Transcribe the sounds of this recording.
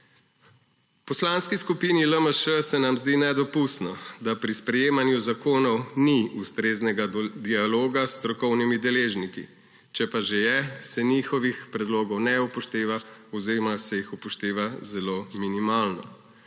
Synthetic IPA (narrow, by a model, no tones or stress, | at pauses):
pɔslanskiskupiniləməʃəsɛnamzd̪inɛd̪ɔpust̪nɔd̪apɾispɾɛjeːmanjuzakoːnɔwniust̪ɾeːznɛɡad̪ialoːɡast̪ɾɔkɔwnimid̪ɛleːʒnikḭ | t͡ʃɛpaʒejɛsɛnixɔʋixpɾɛd̪loːɡɔwnɛupɔʃt̪eːʋaɔwzeɾɔmaɾsɛjixupɔʃt̪eːʋazɛloːminimaːlnɔ̰